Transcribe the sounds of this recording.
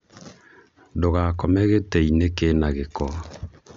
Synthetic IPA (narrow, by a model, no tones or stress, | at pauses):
doɣakɔmɛɣetɛinekenaɣekɔ